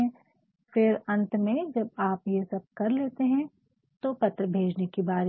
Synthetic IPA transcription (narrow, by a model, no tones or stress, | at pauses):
ɛ̃ | fɪɾɐ̃nt̪mẽd͡ʒɐb̚aːpjesɐb̚kɐɾleːt̪eɦɛ̃ | t̪opɐt̪ɾəbʱeːd͡ʒnekibaːɾ